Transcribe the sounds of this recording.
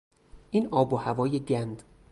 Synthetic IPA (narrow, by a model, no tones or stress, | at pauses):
ʔiːnɒːbohævɒːjeɟænd̪̥